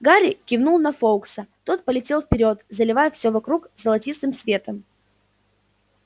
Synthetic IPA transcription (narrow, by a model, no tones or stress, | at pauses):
ɡaɾʲɪkʲɪvnulˠnɐfoʊksət̪o̞t̪̚pəlʲɪtʲe̞lˠfpʲɪɾʲo̞t̪zəlʲɪvajɛfsʲovɐkɾukzəlˠɐtʲist̪ɨmsvʲe̞t̪əm